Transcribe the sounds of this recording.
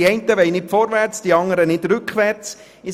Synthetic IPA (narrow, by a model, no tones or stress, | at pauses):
iɛntəʋɛɪnɪtfɔɾʋæɾt͡sd̥iɑŋəɾənɪdɾʉkχʋæɾt͡s | ɪ